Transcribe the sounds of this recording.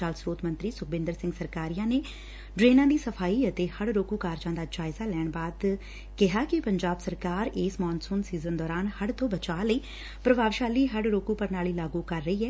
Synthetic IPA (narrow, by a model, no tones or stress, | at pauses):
aːlsɾoːt̪ʰmənt̪ɾiːsʊk̚bɪ̃nd̪əɾsɪ̃ŋɡsəɾkaːɾijãːneː | ɖɾeːnãːd̪iːsəpʰaːiːət̪eːhəɽɾoːkuːkaːɾd͡ʒãːd̪aːd͡ʒaːɪzaːlɛːɳbaːd̪ | kɪɦaːkɪpəɲd͡ʒaːbsəɾkaːɾeːsmɔːnsõːnsiːzənd̪ɔːɾaːnhəɽt̪õːbət͡ʃaːləiː | pɾəbaːʋʃaːliːɦəɽɾoːkũːpəɾnaːliːlaːɡuːkəɾːəiːɛː